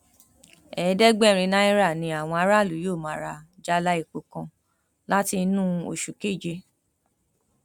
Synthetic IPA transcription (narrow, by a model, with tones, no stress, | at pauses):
ɛ˨˦dɛ˦ɡ͡bɛ˦˨ɾ̃ĩ˧nã˦i˦ɾa˦˨nĩ˧˦a˦˨w̃ɔ̃˧a˨˧˦ɾa˦˨lu˨˦jo˦˨mã˨ɾa˧˨d͡ʒa˦la˧˦i˦˨k͡po˨kɔ̃˧ | la˦ti˧˦nũ˦o̰˨ʃu˨ke˦˨d͡ʒe˧